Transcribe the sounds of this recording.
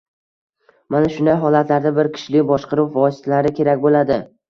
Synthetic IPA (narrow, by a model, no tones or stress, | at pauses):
manaʃʊnd̪ajɦɒlat̪laɾd̪abɪɾkʲʰɪ̥ʃlɪbɒʃqɨɾuwvɒsɪ̥t̪ʰalaɾɪkʲʰe̞ɾakʲbolad̪ɪ